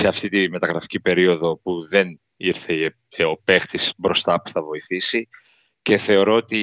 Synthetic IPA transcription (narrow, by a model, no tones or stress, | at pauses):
se̞ɐft̪it̪ime̞t̪ɐɣɾɐfi̥cipe̞ɾio̞ðo̞puðe̞n | iɾθe | o̞pe̞xt̪isbɾo̞st̪ɐpu̥θɐvo̞iθisi | ce̞θe̞o̞ɾo̞ot̪i